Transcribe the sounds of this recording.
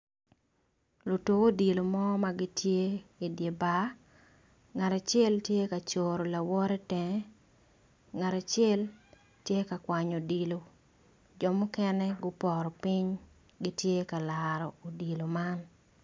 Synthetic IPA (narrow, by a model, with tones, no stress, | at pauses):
lo˨to˦o˦di˨lo˨mɔ˦ma˦ɡɪ˦tje˦i˨dje˨ba˦ | ŋa˨ɾa˨t͡ʃɛ˦ltje˦ka˨t͡ʃo˨ɾo˨la˨wɔ˦ɾɛ˦tɛ˨ŋ˦ | ŋa˨ɾa˨t͡ʃɛ˦l | tje˦ka˨kwa˨ɲo˨di˨lo˨ | d͡ʒɔ˨mʊ˦kɛ˦nɛ˦ɡʊ˦pɔ˨ɾɔ˨pi˦ɲ | ɡɪ˦tje˦ka˨laɾɔ˨o˨di˨lo˨ma˦n